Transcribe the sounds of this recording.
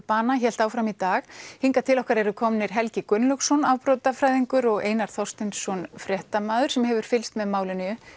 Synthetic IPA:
paːnaçɛl̥t̪aːwfɾamit̪aːɣhiŋkat̪ʰɪlɔhkaɾɛɾʏkʰɔmnɪɾ̥ɦɛlcɪkʏnlʏksɔnaːwpɾɔwt̪afɾajðiŋkʏɾɔɣḛːjnaɾ̥θɔ̥st̪ɛnsɔnfɾjɛht̪amaːðʏɾ̥sɛmhɛvʏɾ̥fɪlst̪mɛðmaːwlʏnɪʏ

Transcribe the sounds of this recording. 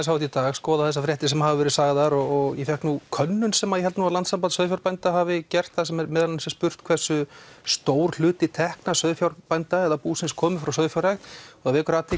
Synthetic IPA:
shawt̪it̪aːɣskɔːðaθɛs̬ːafɾjɛht̪ɪsɛmahavɪvɛɾɪsaːɣðaɾɔɣɔɣjɛfɛhknukʰœnːʏnsɛmaðjɛɦɛlt̪nuavlant̪sampansœːðfjawɾpajnt̪aɦavɪcɛr̥t̪θasɛmɛɾmɛðalnsɛ̥spʏr̥t̪kʰvɛr̥sːʏst̪oːwɾ̥l̥ʏːt̪ɪt̪ʰɛhknasœːðfjawɾpajnt̪aɛðapuːsɪnskʰɔːmɪfɾawsœðfjawɾajxt̪ɔɣavɛːkʏɾaːt̪ʰɪ

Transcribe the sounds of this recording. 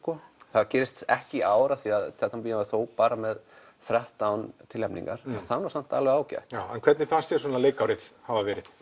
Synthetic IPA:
kɔθaðcɛːɾɪst̪ɛhcɪʔaːwɾaθiaðt̪ʰɛht̪ampiːjamaθoːwpaːɾamɛð | θɾɛht̪awnt̪ʰɪlhɛmpnḭŋkaɾ̥θanːɔaɾsan̥t̪alvɛɣaːwca̰jht̪awɛnkʰvɛɾt̪nɪfanst̪jɛɾ̥sɔːnaleːjkawɾɪhavavɛːɾɪð̥

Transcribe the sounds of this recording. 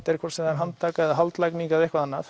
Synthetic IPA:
t̪ɛɾkʰɔɾsɛmðaɾɦant̪ːaːkaðaɦalt̪lajkniŋkavehkvaðanːaf

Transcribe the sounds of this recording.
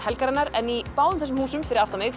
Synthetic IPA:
hɛlkaɾɛnːaɾɛnipaːwʏmθɛs̬ʏmhuːsʏmfɪɾɪðaft̪amɪx

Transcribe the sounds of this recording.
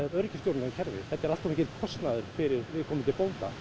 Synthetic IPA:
ɾœɾcɪ̥st̪jowɾnaðcʰɛɾvɪ̰ɛt̪ːaɛɾalt̪sumehcɪt̪kʰɔst̪naðʏɾ̥fɪɾɪɾvɪðkʰɔːmɪmt̪ʰɪlpownt̪a̰

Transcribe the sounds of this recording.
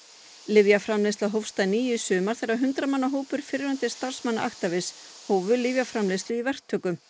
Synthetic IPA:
lɪvjafɾamlest̪laɦowfst̪ajniːjʏsʏːmaɾ̥θɛraɦʏnt̪ɾamanːaɦoːwpʏɾ̥fɪɾɾant̪ɪst̪ar̥smanːaʔaxt̪avɪs | hoːwvʏlɪvjafɾamlest̪lɪivɛr̥t̪ʰœːkʏm

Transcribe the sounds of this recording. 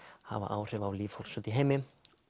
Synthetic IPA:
ha̰va̰ʔaːwr̥ɛvawliːvfhowl̥sœt̪iɦeːjmɪ

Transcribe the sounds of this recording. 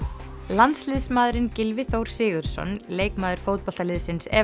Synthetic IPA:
lant̪slɪðsmaːðɾɪncɪlvɪθowɾ̥sɪːɣʏɾ̥sɔ̰nleːjkmaːðʏɾ̥foːwt̪̚pɔl̥t̪alɪðsɪnsɛ̰

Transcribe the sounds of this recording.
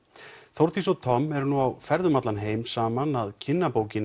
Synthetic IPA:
θowɾ̥t̪ʰisɔt̪ʰɔmːɛɾnuawfɛɾðʏmat̪lanɦeːjmsaːmanaðcʰɪnːapoːwcɪn

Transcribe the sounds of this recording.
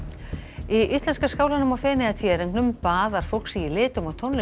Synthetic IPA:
iʔist̪lɛnskaskaːwlanʏmawfɛːnɪat̪ʰjɛːɾiŋknʏmpaːðaɾ̥fowl̥ksiilɪːt̪ʏmawt̪ʰonlɪ

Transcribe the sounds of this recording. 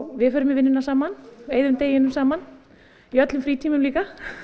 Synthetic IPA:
vɪðfœːɾʏmɪvɪnːʏnasaːmaneːjðʏmt̪eːjɪnʏmsaːman | iœt̪lʏmfɾiːt̪ʰiːmʏmliːka

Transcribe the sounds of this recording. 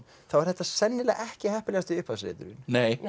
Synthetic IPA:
θawvaɾ̥θɛht̪ːasɛnːɪlɛɣɛhcɪhɛhpɪlɛːɣast̪ɪʏhpʰasɾɪ̰ːt̪ʏ̰ɾɪnneːj

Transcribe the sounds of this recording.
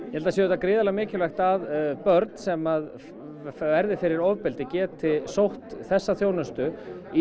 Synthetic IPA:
jɛhɛlt̪asjɔːðɛt̪akɾɪːðalamɪːcɪlvɛxt̪aðpœɾt̪n̥sɛmað | vɛɾðɪfɪɾɪɾɔvpɪlt̪ɪcɛːt̪ʰːɪlsowht̪θɛsːaθjoːwnʏst̪ʏ | i

